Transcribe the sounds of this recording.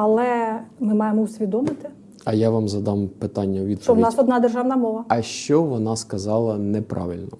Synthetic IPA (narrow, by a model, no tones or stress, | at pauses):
ɐlˠɛmɪmɑjemɔusʲʋʲid̪ɔmɪt̪ɪ | ɐjaʋɑmzɐd̪ɑmpɪt̪ɑnʲːɐʋʲid̪p̪ɔwnɑsɔd̪nɑd̪erʒɑʋnɐmɔʋɐɐʃt͡ʃɔʋɔnɑskɐzɑlˠɐnɛpɾɑ̰ʋɪlʲnɔ